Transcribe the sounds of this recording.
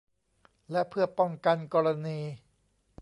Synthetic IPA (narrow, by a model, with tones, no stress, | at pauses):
lɛ˦˥ʔpʰɯ˥˩ɐpɔ˥˩ŋka˧nkɔː˧ɾa˧niː˧